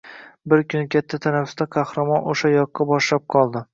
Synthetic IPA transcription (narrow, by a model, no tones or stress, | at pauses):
bɪɾkʲʰʊnɪkʲʰat̪ʰːat̪ʰanafʊ̥st̪aqʰɑhɾamɒnoʃajɒqːɑbɒʃlap̚qʰɒlˠd̪ɪ